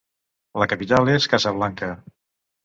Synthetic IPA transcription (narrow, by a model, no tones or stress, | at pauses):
ləkəpit̪aleskazəβ̞laŋkə